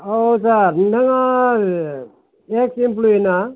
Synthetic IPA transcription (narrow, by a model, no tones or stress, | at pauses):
owsaɾnɐŋa | eksimp̬luena